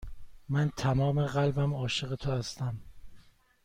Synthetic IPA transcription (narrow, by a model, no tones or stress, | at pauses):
mænt̪ʰæmɒːme̞ɢælbæmɒːʃe̞ɣe̞t̪ʰohæst̪æm